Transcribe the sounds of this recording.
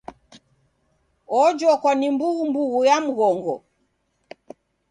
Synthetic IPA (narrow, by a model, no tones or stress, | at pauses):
ɔd͡ʒɔkɔnimbuɣumbuɣujam̩ɣɔŋɡɔ̰